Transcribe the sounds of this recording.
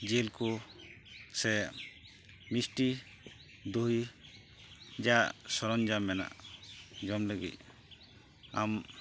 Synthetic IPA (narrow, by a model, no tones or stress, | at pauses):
d͡ʒelku | sɛ | misʈi | d̪uɦi | d͡ʒaʔsɔɾɔnd͡ʒamɛna̰ʔd͡ʒɔmləɡḭt̪̚ | a̰m